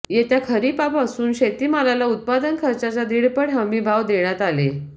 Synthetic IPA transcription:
jet̪jakʰəɾipapasuːnɕet̪iːmalalaut̪̚pad̪ənkʰəɾt͡ɕat͡sad̪iɽpəɽɦəmiːbʱaʋd̪eɭ̃at̪ale

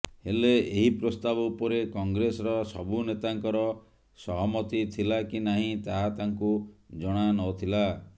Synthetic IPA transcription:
heleeɦipɾɔst̪abɔupɔɾekɔŋɡɾesɔɾɔsɔbunet̪aŋkɔɾɔ | sɔɦɔmɔt̪it̪ʰilakinaɦĩt̪aɦat̪aŋkud͡ʒɔɽ̃anɔt̪ʰila

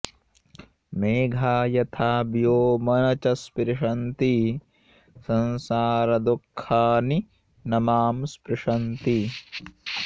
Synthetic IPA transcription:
meːɡʱaːjɐt̪ʰaːbjoːmɐnɐt͡ʃɐspɾɪʂɐnt̪i | sɐnsaːɾɐd̪ukʰːaːni | nɐmaːmspɾɪʂɐnt̪i

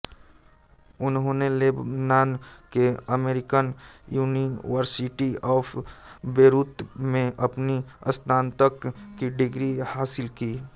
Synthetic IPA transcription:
ʊnɦõneleːbnaːnkeəmeːɾɪkənjuːniʋəɾsiʈiɔːpʰbeːɾuːt̪mẽʔɐpniəst̪ʰaːnt̪əkkːiɖɪɡɾihaːsɪlkiː

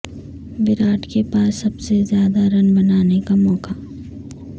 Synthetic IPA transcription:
bɪɾaːʈkepaːsːɐbsezjaːd̪aɾɐnbɐnaːnekamɔːka

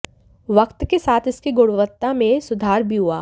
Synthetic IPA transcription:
ʋɐqt̪kesaːt̪ʰɪskiɡʊɽʋət̪ːamẽsʊd̪ʱaːɾbʱiɦua̰ː

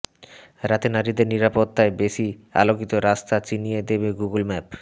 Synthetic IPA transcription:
ɾat̪enaɾid̪eɾniɾapot̪ːaebeʃia̰lokit̪oɾast̪ʰat͡ɕinijed̪ebeɡuɡulmɛp

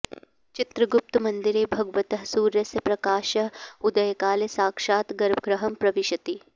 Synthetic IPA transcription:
t͡ʃit̪ɾɐɡup̚t̪umɐnd̪iɾeːbʱɐɡʋɐt̪ɐɦsuːɾjɐsjɐpɾɐkaːʃɐud̪ɐjɐkaːlesaːkʃaːt̪ɡɐɾbʱɡɾɐɦɐmpɾɐʋiʃɐt̪i

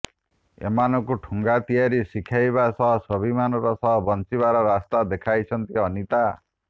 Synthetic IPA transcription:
ḛmanɔkuʈʰuŋɡat̪ijaɾisikʰajbasʌɦɔsʌbʱimanɔɾɔsʌɦɔbʌnt͡ʃiβaɾɔɾast̪ad̪ekʰajt͡ʃʰʌnt̪iʌnit̪a

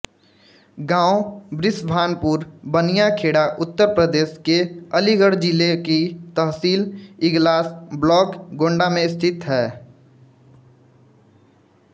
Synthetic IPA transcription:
ɡãːobɾɪsbʱaːnpuːɾbənijakʰeːɽaʔʊt̪ːəɾpɾəd̪eːskeəliɡəɽd͡ʒɪlekit̪əɦsiːlɪɡlaːsblɔːkɡõːɳɖamẽɪst̪ʰɪt̪ɦɛː

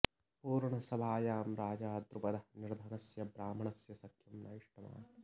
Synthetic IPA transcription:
puːɾɳɐsɐbʱaːjaːmɾaːd͡ʒaːd̪ɾupɐd̪ɐniɾd̪ʱɐnɐsjɐbɾaːmɐɳɐsjɐsɐkʰjɐmna̰ːjiʂʈɐma̰ː

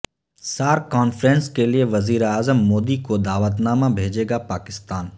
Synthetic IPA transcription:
saːɾkɔːnfɾɛ̃ːnskelieʋɐziːɾaːzəmːoːd̪ikod̪aːʋət̪naːmabʱeːd͡ʒeːɡapaːkɪst̪aːn

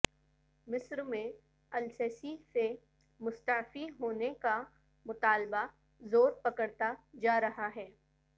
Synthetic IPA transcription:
mɪsɾmẽ | ɐlsɛːsise | mʊst̪əfiɦoːneka | mʊt̪aːlba | zoːɾpɐkəɽt̪ad͡ʒaːɾɐɦaɦɛː

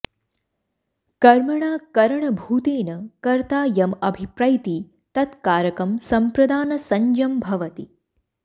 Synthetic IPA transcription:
kɐɾmɐɳaːkɐɾɐɳɐbʱuːt̪eːnɐkɐɾt̪aːjɐmɐbʱipɾaːjt̪i | t̪ɐt̪kaːɾjɐkɾɐmsɐmpɾɐd̪aːnɐsɐɲd͡ʒɐmbʱɐʋɐt̪i

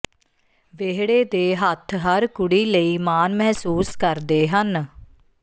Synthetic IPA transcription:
ʋeːɦɽeːd̪eːɦət̪ʰɦəɾkʊɽiːləiːmaːnmɛɦsuːskəɾd̪eːɦən

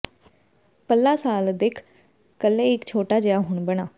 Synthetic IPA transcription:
pəlːaːsaːld̪ɪkʰ | kəlːẽːɪkt͡ʃʰoːʈaːd͡ʒəjaːɦʊɳbəɽ̃aː

